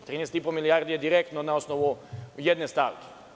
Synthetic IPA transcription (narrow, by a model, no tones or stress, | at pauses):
t̪ɾiːnest̪ipomilijaɾd̪ijed̪iɾekt̪nonaosnoʋujed̪nest̪aʋke̥